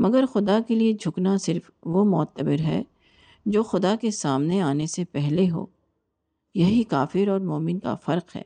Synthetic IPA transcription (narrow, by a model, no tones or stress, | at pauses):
mɐɡəɾxʊd̪akelied͡ʒʱʊknasɪɾf | ʋomɔːt̪ːəbɪɾɦɛ̰ | d͡ʒoːxʊd̪akesaːmneaːnesepɛɦleɦo̰ː | jɐɦikaːfɪɾɔːɾmoːmɪnka̰fɐɾqɦɛ̰ː